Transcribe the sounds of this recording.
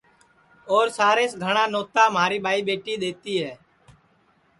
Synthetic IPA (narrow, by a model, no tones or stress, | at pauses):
oːɾsaːɾeːsɡʱəɳ̃aːnoːt̪aːmɦaːɾiːɓʱaːiːɓeːʈiːɗ̪eːt̪iːɦɛː